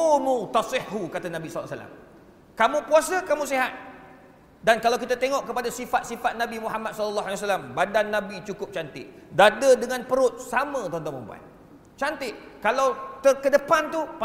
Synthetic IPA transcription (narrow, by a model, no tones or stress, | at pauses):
mũt̪asɪhːukat̪anãbisɔl̰ːsa̰la̰m | kamũpuasakamũsiɦat̪̚ | dankalawkit̪at̪eŋɔ̃ʔkəpadasifat̪̚sifat̪̚nãbimũhamat̪sɔdəlːaɦaliwas̬alambadanːãbit͡ʃukʊp̚t͡ʃant̪ɪʔ̚dadədəŋãnpəɾʊt̪̚samə̃d̪ɔdɔʔmə̰mbua̰t̪̚ | t͡ʃant̪ɪʔkalawt̪ərkədəpant̪upa